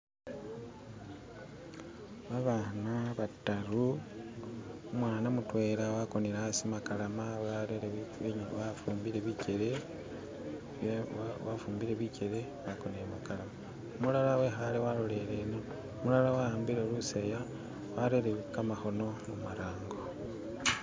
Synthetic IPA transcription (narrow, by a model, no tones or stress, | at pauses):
βaβanaβataɾu | omwaːnamutwe̞ɾawako̞niɾasimakalamaaɾeβafuːmbiɾe̞βice̞ɾe | wafuːmbiɾe̞βice̞ɾe̞ | βako̞niɾemakalama | mulalawe̞xalewaɾole̞ɾeno | mulalawaaːmbiɾeluseja | waɾeɾeβikamaxo̞no̞mumaɾaːŋɡo̞